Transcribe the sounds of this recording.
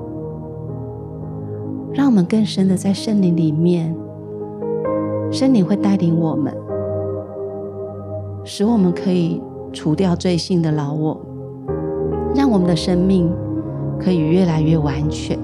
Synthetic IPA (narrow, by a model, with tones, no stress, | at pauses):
ɻɑ˥˩ŋwɔ˨˩mə˦nkə˥˩ŋʂə˥nd̪ə˨t͡sa˥˧ɪʂə˥nli˧˥ŋli˨˩mjɛ˥˩n | ʂə˥nli˨˩ŋxwe˥˧ɪt̪a˥˩ɪli˧˥ŋwɔ˨˩mə̰˦n | ʂɻ̩˧˥wɔ˨˩mə˦nkʰɤ˧˥i˨˩ | ʈ͡ʂʰu˨˥t̪jɑ˥˧ʊt͡swe˥˧ɪɕi˥˩ŋd̪ə˩˨lɑ˧˥ʊwɔ˨˩˦ | ɻɑ˥˩ŋwɔ˨˩mə˨˦nd̪ə˧ʂə˥ŋmi˥˩ŋkʰɤ˧˥i˨˩ɥɛ˥˩la˧˥ɪɥɛ˥˩wa˧˥nt͡ɕʰɥɛ̰˨˧˦n